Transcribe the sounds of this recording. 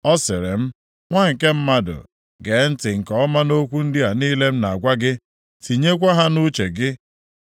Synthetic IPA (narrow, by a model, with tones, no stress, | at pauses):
ɔ˦sɪ˨ɾɪ̰˨m̩˦ | ŋʷa˦˨ŋ̩˨ke˦m̩˦ma˦dʊ̰˨ | ɡe˨˦n̩˦tɪ˨ŋ̩˨kɔ˨ɔ˦ma˦no˦kʷu˦n̩˦dɪ˦a˨niː˦le˦m̩˦na˨ɡʷa˦ɡɪ˦ | ti˨ɲe˦k̬ʷa˦ɦa˦nu˦t͡ʃe˨ɡɪ˦